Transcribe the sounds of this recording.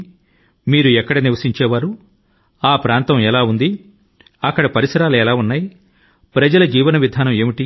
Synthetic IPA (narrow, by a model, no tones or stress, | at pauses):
miːɾuɛkːɐɽɐniʋɐsiɲt͡ʃɛːʋaːɾu | aːpɾaːnt̪ɐmɛlaːund̪i | ɐkːɐɽɐpɐɾisɐɾaːluɛlaːunːaːji | pɾɐd͡ʒɐlɐd͡ʒiːʋɐnɐʋid̪ʱaːnɐme̞ːmiʈi